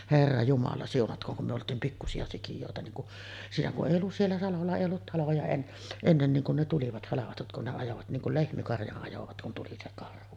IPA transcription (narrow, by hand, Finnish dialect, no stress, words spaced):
herːɑ jumɑlɑ siunɑtkˑoːŋ kum me oltˑiːm pikːusiɑ sikijoˑetɑ niːŋ kuʔ siːnæ kuʔ ʔeˑij olːus sielːæ sɑlolːɑ eˑij olːut tɑlojɑ en enːen niːŋ kun ne tuliʋɑt hɑlɑʋɑtut kun ne ɑjoʋɑt niːŋ kul lehmikɑrjɑʔ ʔɑjoʋɑt kun tuli se kɑrhu